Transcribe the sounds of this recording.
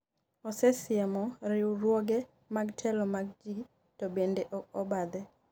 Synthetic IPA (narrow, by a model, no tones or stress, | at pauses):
ɔsɛsɪɛmɔɾɪuɾwoɡɛ | maɡtʰɛlɔmaɡ̚d͡ʒi | tɔbendeʔɔkɔbad̪ɛ